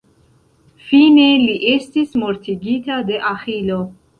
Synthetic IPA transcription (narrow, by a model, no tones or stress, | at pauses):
finɛːliʔɛst̪ʰismɔɾt̪ʰiɡit̪ʰad̪ɛʔaχilɔ